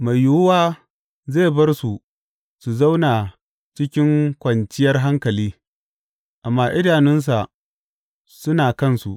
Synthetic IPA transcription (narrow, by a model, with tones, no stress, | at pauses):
ma˨jːʊ˦waː˦ | zeː˦˨bɐ˦rsu˨ | su˨za˦wnaː˨ | t͡ʃɪ˦kʲɪ˦ŋkʷɐ˨nt͡ʃɪ˦jɐ˦rɦa˦ŋkɐ˨liː˦ | ʔa˨mːaː˦ʔɪ˦daː˨nɪ˦ns̬a˨ | sʊ˦naː˨kɐ˦˨nsu˨ʔ